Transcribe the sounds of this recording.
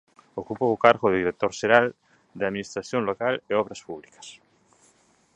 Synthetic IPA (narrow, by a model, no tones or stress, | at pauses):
okupoːkaɾɣoðiɾet̪oɾʃeɾal | d̪aðminist̪ɾaθjoŋlokaleɔβɾaspuβlikɐ̥s